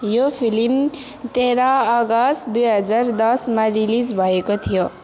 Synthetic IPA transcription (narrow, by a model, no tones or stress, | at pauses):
jopʰilim | t̪eɾaʌɡʌsd̪ujɦʌd͡zard̪ʌsmarilid͡zbʱʌekot̪ʰijo